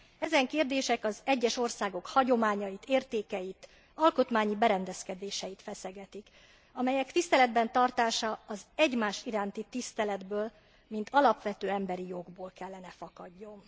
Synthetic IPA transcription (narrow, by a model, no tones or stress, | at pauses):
ɛzɛŋkeːrd̪eːʃɛkɒzɛɟːɛʃo̞rsaːɡo̞khɒɟo̞maːɲɒjit̪ʰeːrt̪eːkɛjit̪ | ɒlko̞t̪maːɲibɛɾɛnd̪ɛskɛd̪eːʃɛjit̪fɛsɛɡɛt̪ik | ɒmɛjɛkt̪ist̪ɛlɛd̪bɛnt̪ɒrt̪aːʃɒːzɛɟmaːʃiɾaːnt̪it̪ist̪ɛlɛd̪bøːl | mint̪ɒlɒpʋɛt̪øːɛmbɛɾijoɡboːlkɛlːɛnɛfɒkɒɟːo̞n